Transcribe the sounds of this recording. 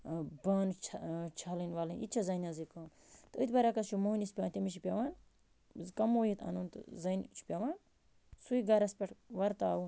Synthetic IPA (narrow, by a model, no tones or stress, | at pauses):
baːnt͡ʃʰt͡ʃʰalinʲʋaːlinḭt̪t͡ʃʰɐzɐnazikɐːm | t̪ɨɨt̪ʲbɐɾakɐst͡ʃʰumoːinispʲant̪ʲimit͡ʃʰipʲaʋan | zkɐmoːjit̪ʰɐ̰nuːnt̪ɨ̰zɐnt͡ʃʰu̥pʲaʋaːn | suiɡɐɾɐspʲɐʈʋɐɾt̪aːu